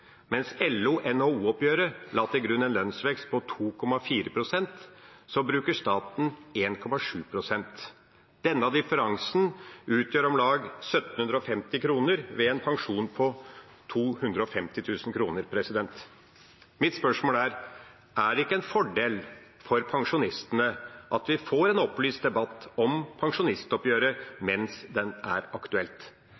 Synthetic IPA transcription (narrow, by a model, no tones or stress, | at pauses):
mɛnsɛlːuʔɛnhoːuːɔpjøːɾəlɑt̪ʰːɪlɡɾʉnːɛnlœnsʋɛkst̪̚pʰɔt̪ʰuːkʰɔmɑfiːɾəpʰɾʊsɛnt̪sɔbɾʉːkəʂt̪ɑːt̪n̩eːnkʰɔmɑʂʉːpʰɾʊsɛnt̪ | d̪̥ɛnːəɑd̪ɪfəɾɑŋsn̩ʉːt̪ʰjøːɾɔmlɑːɡsœt̪n̩hʉnd̪ɾəɔfɛmt̪ɪkʰɾuːnəɾʋeɛːnpʰɑŋʂuːnpʰɔ | t̪ʰuːhʉnd̪ɾəɔfɛmt̪ɪt̪ʰʉːsnkʰɾuːnəɾpʰɾɛsɪd̪ɛnt̪ | mɪt̪spœʂmoːləæɾ | æɖɪkːəɛnfɔɖeːl | fɔɾpʰɑŋʂʊnɪst̪ənəʔɑt̪ʋɪfoːɾɛnɔplyːst̪̚d̪ɛbɑt̪ːɔmpʰɑŋʂʊnɪst̪ɔpjøːɾəmɛnsd̪ɛnæ̰ɾɑkt̪ʉɛlt̪